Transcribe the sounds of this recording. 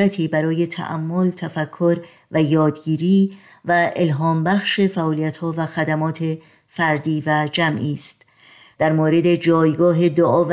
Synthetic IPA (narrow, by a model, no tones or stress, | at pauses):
æt̪ʰiːbæɾɒːje̞t̪ʰæ̰ʔæ̰mːo̞lt̪ʰæfækʰːo̞ɾ | væjɒːd̪ɡiːɾiː | væʔe̞lɦɒːmbæxʃe̞fæʔɔːlijæt̪hɒːvæxæd̪æmɒːt̪ʰe | fæɾd̪iːvæd͡ʒæmʔiːst̪ | d̪̥æɾmoːɾe̞d̪e̞d͡ʒɒːjɡɒːɦe̞d̪oʔɒːvæ